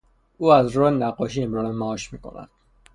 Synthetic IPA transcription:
uːæzɾɔːenæɡːɒːʃiːemɾɒːnemæɒːʃmiːkʰo̞̰næ̰d̪̥

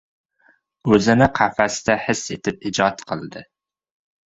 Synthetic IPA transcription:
øzɪnɪqʰæfæsɪd̪ɛhɪset̪ʰɪp̚id͡ʒɑt̪qʰəlˠɨd̪ɨ

